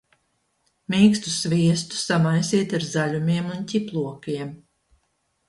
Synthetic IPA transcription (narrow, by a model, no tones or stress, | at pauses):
miːkst̪u̥svʲiɛst̪u̥samajsiɛt̪aɾzaʎumiɛmuncʲiplˠuɔkiɛm